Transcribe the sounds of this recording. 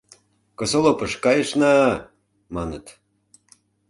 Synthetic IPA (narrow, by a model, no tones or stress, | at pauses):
kɤ̆solopəʃkɑjəʃnɑ | mɑnət̪